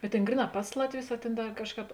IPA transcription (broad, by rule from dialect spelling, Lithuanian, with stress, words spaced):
bʲɛt ˈtʲeːn ˈɡrʲiːˌnɑː ˈpɐs lˠɐtʲˌʋʲʊs ɐ ˈtʲeːn ˈdɐ ˈkɑːʃˌkɑːp